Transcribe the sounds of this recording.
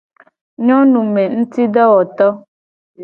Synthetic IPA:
ɲɔ˦nu˨mɛ˨n̩˦ti˦dɔ˦wɔ˨tɔ˦

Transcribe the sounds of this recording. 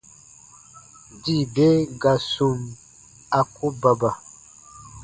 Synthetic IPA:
di˦˨be˦ɡa˨su˨m | a˨ku˦ba˨ba˨

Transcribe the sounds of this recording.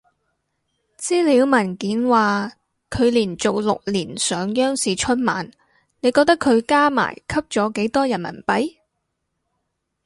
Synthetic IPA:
t͡siː˥li˧˨˧wmɐ˨˩nkiː˨˥nwaː˨ | kʰɵ˨˧ɥliː˨˩nt͡so˨wlʊ˨k̚liː˨˩nsœː˨˧ŋjœː˥ŋsiː˨˩t͡ʃʰɵ˥n̚ma̰ː˨˩n | ne˨˧jkɔː˧k̚t̪ɐ˥kʰɵ˨˧ɥkaː˥ma̰ː˨˩jkʰɐ˥p̚t͡ʃɔː˨˥ke˨˥jt̪ɔː˥jɐ˨˩nmɐ̰˨˩npɐ˨˥j

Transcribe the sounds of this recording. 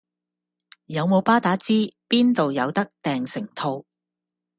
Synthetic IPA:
jɐ˨˧wmo˨˧wpaː˥t̪aː˨˥t͡siː˥piː˥nt̪o˨wjɐ˨˧wt̪ɐ˥k̚t̪ɛː˨ŋsɪ˨˩ŋt̪ʰo˧w

